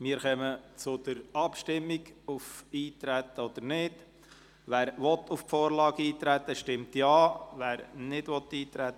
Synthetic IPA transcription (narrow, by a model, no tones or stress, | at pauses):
mɪːəɾχœmət͡sʊd̪̥əɾɑpʃtɪmːiɡufiːt̪ɾæt̪ːəɔd̪̥əɾnɪd̥ | ʋæːɾʋɔt̪ʰːufpfoːɾlɑːɡ̥iːt̪ɾæt̪ːəʃtɪmt̪jɑːʋæːɾnɪdʋɔt̪ːiːt̪ɾæt̪ːə